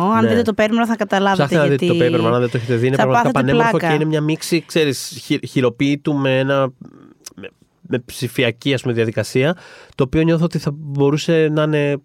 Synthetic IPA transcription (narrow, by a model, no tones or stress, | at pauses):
ɐɐnit̪et̪opeɾmeɾoθɐkɐt̪ɐlɐvɐenɐðit̪et̪oeɾmeɾmɐnɐðet̪oeçet̪eðineɐɣmɐkɐtpɐnelɾfokeinemɲɐmiksikse̞ɾisçiçiɾo̞piːt̪ume̞enɐ | me | me̞psifiɐciɐspumeðiɐðikɐsiɐt̪o̞ːpio̞ɲo̞θoot̪iθɐbo̞ɾuse̞nɐne̞